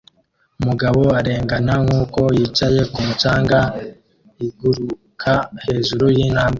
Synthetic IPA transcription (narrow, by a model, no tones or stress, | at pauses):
umuɡaβo̞aɾe̞ːŋɡanaŋuːko̞jiːt͡ʃaje̞kumut͡ʃaːŋɡa | iɡuɾukʰahe̞ːʒuɾujiːnhaːmɡe